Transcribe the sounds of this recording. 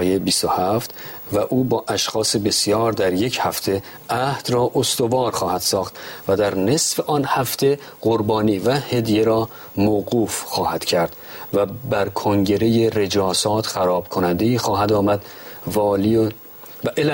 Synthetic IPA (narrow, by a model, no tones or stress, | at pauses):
jebist̪ohæft̪ | væʔuːbɒːʔæʃxɒːse̞be̞sjɒːɾd̪æɾje̞cʰhæft̪ʰe̞ | ʔæhd̪rɒːʔost̪o̞vɒːɾxɒːhæd̪̥sɒːχt̪væd̪æɾne̞sfe̞ʔɒːnhæft̪ʰe̞ɢ̥oɾbɒːniːvæhe̞d̪je̞ɾɒː | moːɣuːfxɒːhæd̪̥cʰæɾd̪̥ | væbæɾkʰoŋɟe̞ɾe̞jere̞d͡ʒɒːsɒːt̪ʰxæɾɒːb̥kʰo̞nænd̪e̞iːxɒːɦæd̪ɒːmæd̪vɒːli